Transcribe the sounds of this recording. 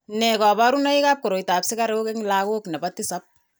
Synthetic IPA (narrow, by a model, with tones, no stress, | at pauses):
nɛ˨ka˨ba˦ɾu˦na˦i˦ka˦p̚ko˨ɾo˨jta˨psɪ˦ka˦ɾe˦o˦ke˦ŋla˦ko˦knɛ˨batɪ˦sa˦p̚